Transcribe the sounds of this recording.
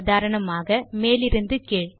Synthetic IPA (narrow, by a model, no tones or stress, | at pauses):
ðaːɾɐɳɐmaːɣɐmeːlɪɾɯnd̪ɯkeːɻ